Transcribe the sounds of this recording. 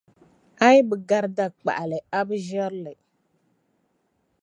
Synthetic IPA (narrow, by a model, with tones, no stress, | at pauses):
a˦jbɨ˨ɡa˦ɾda˦k͡pa̰˨ʔa˨lɨ˨a˦bɨ˦ʒɛ˦ɾlɨ˨